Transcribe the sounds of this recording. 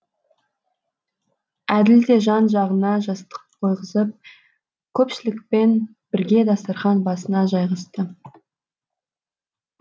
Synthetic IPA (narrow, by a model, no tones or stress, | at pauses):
æd̪ɪld̪e̞ʒɑnʒɑʁənɑʒɑst̪ə̥qqʰo̞jʁəzəp̚ | kʲʰɵpʃɪlɪkpe̞n | b̥ɪɾɡʲe̞d̪ɑst̪ɑɾχɑnbɑsənɑʒɑjʁɑst̪ə